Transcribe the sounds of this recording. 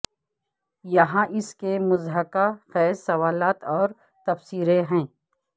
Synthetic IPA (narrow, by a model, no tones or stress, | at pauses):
jɐɦãʔɪskemʊzɦəkaxɛːɾsɐʋaːlaːt̪ɔːɾ | t̪ɐfsiːɾeɦɛ̃ː